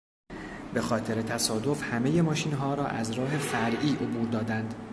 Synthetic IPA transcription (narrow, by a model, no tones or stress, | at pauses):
be̞xɒːt̪ʰe̞ɾe̞t̪ʰæsɒːd̪ofhæme̞je̞mɒːʃiːnɦɒːɾɒːʔæzɾɒːɦe̞fæɾʔiːʔobuːɾd̪ɒːd̪ænd̪